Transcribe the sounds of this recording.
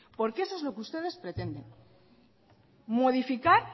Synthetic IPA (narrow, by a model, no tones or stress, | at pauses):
po̞ɾkeesoezlo̞keust̪e̞ð̞e̞spɾe̞t̪e̞nd̪e̞n | mo̞ðifikaɾ